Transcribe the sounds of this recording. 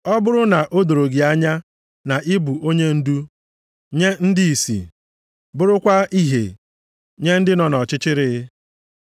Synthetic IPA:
ɔ˦bʊ˦ɾʊ˦na˨ʔo˦do˨ɾo˨ɡi˨a˦ɲa˦ | na˨ʔɪ˦bu˨o˦ɲe˦n̩˦du˦ | ɲe˦n̩˦dɪ˦i˨sḭ˨ | bʊ˦ɾʊ˦kʷa˦i˦ɦḛ˨ | ɲe˦n̩˦dɪ˦nɔ˨nɔ˨t͡ʃɪ˦t͡ʃɪ˦ɾɪ˦

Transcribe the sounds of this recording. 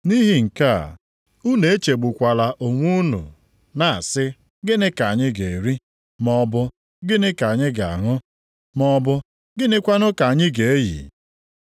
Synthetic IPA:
ni˦ɦi˨ŋ̩˨ka˦˨ | u˦ne˨e˦t͡ʃe˨ɡ͡bu˨kʷa˨la˨ʔo˨ŋʷu˦nṵ˨ | na˨a˨sɪ˦ | ɡɪ˦nɪ˦ka˨ɲɪ˦ɡe˨ɾi˦ | mɔ˦bʊ˦ | ɡɪ˦nɪ˦ka˨ɲɪ˦ɡa˨a˨ŋʊ˦ | mɔ˦bʊ˦ | ɡɪ˦nɪ˦kʷa˦nʊ˦ka˨ɲɪ˦ɡe˨e˦jḭ˨

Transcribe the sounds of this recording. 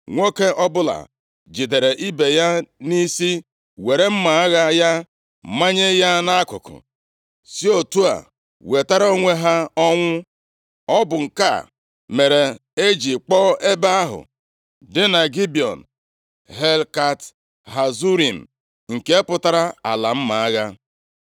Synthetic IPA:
ŋʷo˦ke˦ʔɔ˦bʊ˦la̰˨ | d͡ʒi˨de˨ɾe˨ʔi˦be˨ja˦ni˦si˦ | we˨ɾe˦m̩˦ma˨a˦ɣa˦ja˦ | ma˦ɲe˦ja˦na˦kʊ̰˨kʊ̰˨ | si˦o˨tu˦a̰˨ | we˨ta˦ɾa˦o˦ŋʷe˦ɦa˦ɔ˦ŋʷʊ˦ | ɔ˦bʊ˨ŋ̩˨ka̰˦˨ | me˨ɾe˨e˦d͡ʒi˨k͡pɔ˦e˦ba˦a˦ɦʊ̰˨ | dɪ˦na˨ɡi˦bi˨ɔ̰˨n | ɦe˦lka˦t | ɦa˨zu˦ɾi˨m̩˨ | ŋ̩˨ke˦pʊ˦ta˦ɾa˦a̰˨la˨m̩˦ma˨a˦ɣa˦

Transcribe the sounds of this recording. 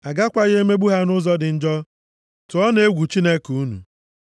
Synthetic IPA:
a˨ɡa˦kʷa˦ɣe˦me˦ɡ͡bu˦ɦa˦nʊ˦zɔ˦dɪ˨n̩˦d͡ʒɔ˦ | tʊ˨˦ɔ˦ne˦ɡʷu˨t͡ʃi˦ne˦ku˦nṵ˨

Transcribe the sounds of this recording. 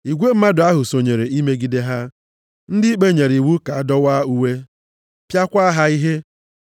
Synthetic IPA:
i˨ɡʷe˦m̩˦ma˦dʊ˨˦a˦ɦʊ˨so˨ɲe˨ɾe˨i˦me˦ɡi˦de˦ɦa˦ | n̩˦dɪ˦i˦k͡pe˦˨ɲe˨ɾi˨wu˦ka˨a˦dɔ˦wa˦u˦we˦ | pja˦kʷa˦ɦa˦i˦ɦe˦

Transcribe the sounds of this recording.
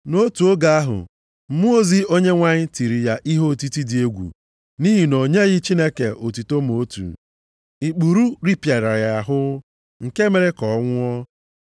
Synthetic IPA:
no˦tu˨o˦ɡa˨˦a˦ɦʊ̰˨ | m̩˦mʊ˦o˦zi˦o˦ɲe˦ŋʷa˦ɲɪ˦ti˨ɾi˨ja˦ʔi˦ɦo˦˨ti˦ti˦dɪ˨e˦ɡʷṵ˨ | ni˦ɦi˨no˨ɲe˦ɣɪ˦t͡ʃi˦ne˦kḛ˨ʔo˨tu˨to˦m˨o˦tṵ˨ | i˨k͡pu˨ɾu˦ɾi˦pja˨ɾa˨ɾja˨ɦʊ˦ | ŋ̩˨ke˦me˨ɾe˦kɔ˨ɔ˦ŋʷʊ˦ɔ˦

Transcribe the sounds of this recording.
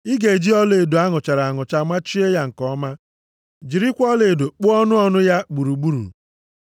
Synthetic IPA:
i˦ɡe˨e˨d͡ʒi˦ɔ˦le˨e˨do˨a˦ŋʊ˨t͡ʃa˨ɾa˨ŋʊ˨t͡ʃa˨ma˦t͡ʃi˦e˦ja˦ŋ̩˨kɔ˦ma˦ | d͡ʒi˨ɾi˦kʷɔ˦le˨e˨do˨k͡pʊ˦ɔ˦nʊ˦ɔ˦nʊ˦ja˦ɡ͡bu˨ɾu˨ɡ͡bu˦ɾṵ˨

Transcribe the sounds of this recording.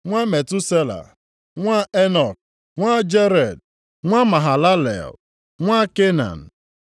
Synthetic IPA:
ŋʷa˦me˨tu˦se˦la̰˨ | ŋʷa˦e˦nɔ˨k̚ | ŋʷa˦d͡ʒe˦ɾe˨d̚ | ŋʷa˦ma˨ɦa˨la˦lḛ˨l | ŋʷa˦ke˦na̰˨n̩˨

